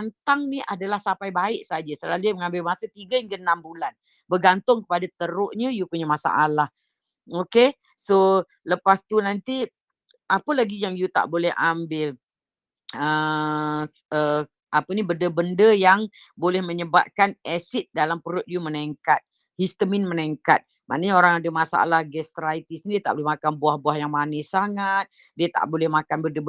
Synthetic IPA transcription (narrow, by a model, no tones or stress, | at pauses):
ant̪aŋniadalahsapajbaɪʔsad͡ʒasəlaluməŋambɪlmasət̪iɡajaŋkənambulan | bəɡant̪ʊŋkəpadat̪əɾʊʔɲəjupuɲamasa̰ʔalah | oke | so | ləpast̪unant̪i | ʔapəlaɡijaŋjut̪a̰ʔbolɛhʔa̰mbɪl | ə | ə | apənibədəbəndəjaŋ | bolɛhməɲəba̰p̚kanɛsit̪̚dalampəɾʊt̪̚juməneŋkat̪̚ | hist̪əminməneŋkat̪̚ | ma̰ʔnəɲaoɾaŋadəhmasa̰a̰lahɡɛst̪ɾajt̪isɲidiət̪a̰ʔbolɛmakanbuahbwahjaŋmanɛhsaŋat̪̚ | diət̪a̰ʔbolɛhmakanbəndə